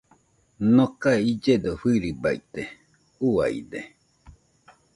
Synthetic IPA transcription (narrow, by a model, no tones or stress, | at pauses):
nokaeid͡ʒed̪oɸɨɾibait̪e | ua̰jd̪e